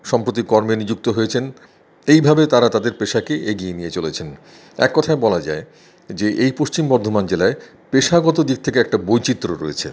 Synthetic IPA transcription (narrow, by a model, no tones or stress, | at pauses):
ʃɔmpɾot̪̬ikɔɾmenid͡ʑuk̚t̪oɦoet͡ɕʰen | ejbʱabet̪aɾat̪ad̪eɾpeʃakeʔeɡienijet͡ɕolet͡ɕʰen | ɛ̰kːɔt̪ʰaebɔlad͡ʑa̰e | d͡ʑeʔejpoʃt͡ɕimbɔɾd̪ʱomand͡ʑelae | peʃaɡɔt̪̬od̪ik̚t̪ʰekeɛk̚ʈabojt͡ɕit̪ːɾoɾo̰jet͡ɕʰḛ